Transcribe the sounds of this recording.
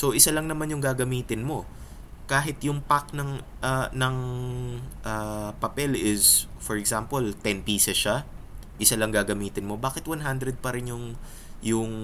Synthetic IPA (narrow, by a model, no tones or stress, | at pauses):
so̞ʔɪsalɐŋnɐmanjʊŋɡaːɡɐmiːt̪ɪnmo̞ | kaːɦɪt̪jʊŋpak̚nɐŋʔɐnɐŋ | ʔɐpɐpɛlʔɪsfoɹɛɡsampolt̪ɛnpiːsɛsʃa | ʔɪsalɐŋɡaːɡɐmiːt̪ɪnmo̞baːkɪt̪̚wanɦand̪ɾɛd̪̚pɐɾɪnjʊŋ | jʊŋ